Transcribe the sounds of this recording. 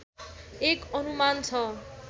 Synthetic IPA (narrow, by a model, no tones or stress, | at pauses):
ekʌnumant͡sʰʌ